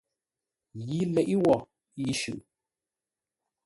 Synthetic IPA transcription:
ji˦lɛ˨ʔi˦wɔ˨ | i˦ʃʉ̰˨ʔ

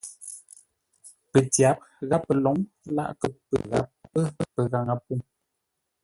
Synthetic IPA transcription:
pə˨tja˨˦p̚ɣa˦pːə˨lɔ˨˦ŋ | la̰˦˨ʔkə˨pə̰˨ɣa̰˨˦p̚ːə˦pə˨ɣa˨ŋa˨pu˦ŋ

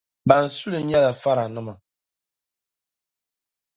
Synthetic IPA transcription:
ba˨n̩˨su˦lɨ˨˦ɲɛ˦la˨fa˦ɾa˨nɨ˦ma˨

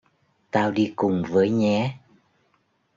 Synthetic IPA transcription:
t̪aː˧wɗi˧kʊ˨˩ŋ͡mvəː˨˦jɲɛ˨˧˦

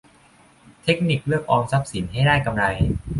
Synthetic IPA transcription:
t̪ʰe˦˥k̚ni˨˩k̚lɯ˥˩ək̚ʔɔː˧ŋsa˦˥p̚si˩˦nha˥˩jdaː˥˩jka˧mɾa˧j

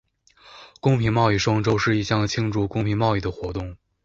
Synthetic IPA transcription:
kʊ˥ŋpʰi˧˥ŋmɑ˥˧ʊi˧˥˩ʂwɑ˥ŋʈ͡ʂo˥ʊʂɻ̩˥˧i˧˩ɕjɑ˥˩ŋt͡ɕʰi˥ŋʈ͡ʂu˧˥˩kʊ˥ŋpʰi˧˥ŋmɑ˥˧ʊi˥˩d̪ə˩xwɔ˧˥t̪ʊ˥˩ŋ

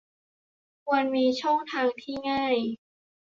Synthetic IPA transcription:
kʰu˧ənmiː˧t͡ɕʰɔ˥˩ŋt̪ʰaː˧ŋt̪ʰiː˥˩ŋaː˥˩j

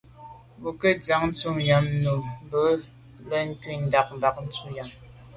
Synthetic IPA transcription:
wu˨kə˦d͡za˦ŋ̚n̩˦t͡su˦mja˨˦mnu˨m˦bə˨˦ | lə˦n̩˦twi˦˨n̩˦da˨k̚m˨ba˨k̚n̩˦t͡su˦ja˨m

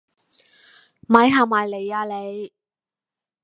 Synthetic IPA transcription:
ma˨˧jɦaː˨maː˨jle˨˩jaː˧le˨˧j

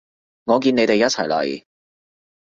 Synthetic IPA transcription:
ŋɔː˨˧k̬iː˧ne˨˧jt̪e˨jɐ˥t̚t͡sʰɐ˨˩jlɐ̰˨˩j

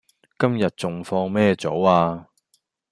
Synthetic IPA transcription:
kɐ˥mjɐ˨t̚t͡sʊ˨ŋfɔː˧ŋmɛː˥t͡so˨˥waː˧

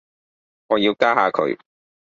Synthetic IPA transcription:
ŋɔː˨˧jiː˧wkaː˥ɦaː˧kʰɵ̰˨˧ɥ

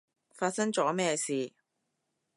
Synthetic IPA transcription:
faː˧t̚sɐ˥ŋt͡ʃɔ̰ː˨˥mɛː˥˧siː˨

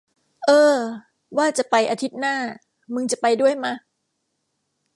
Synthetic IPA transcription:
ʔɤː˧ | waː˥˩t͡ɕa˨˩pa˧jʔaː˧t̪ʰi˦˥t̪̚naː˥˩ | mɯ˧ŋt͡ɕa˨˩pa˧jdu˥˩əjma˦˥

